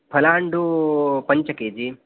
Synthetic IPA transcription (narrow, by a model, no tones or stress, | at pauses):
pʰɐlaːɳɖupɐɲt͡ʃɐkeːd͡ʒi